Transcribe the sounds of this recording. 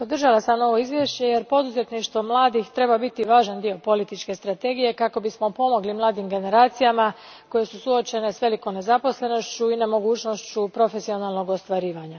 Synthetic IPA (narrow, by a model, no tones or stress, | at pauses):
po̞d̪r̩ʒalasamno̞ʋo̞izʋje̞ʃt͡ɕe̞jeɾpo̞d̪uze̞t̪niʃt̪ʋo̞mlˠaːd̪ixt̪ɾe̞babit̪iʋaːʒand̪io̞po̞lit̪it͡ʃke̞st̪ɾat̪e̞ɡije̞kako̞bismo̞po̞mo̞ɡlimlˠaːd̪imɡe̞ne̞ɾaːt̪sijama | ko̞je̞susuo̞t͡ʃe̞ne̞sʋe̞liko̞mne̞zapo̞sle̞no̞ʃt͡ɕuinemo̞ɡuːt͡ɕno̞st͡ɕupɾo̞fe̞sio̞nalˠno̞ɡo̞st̪ʋaɾiːʋaɲa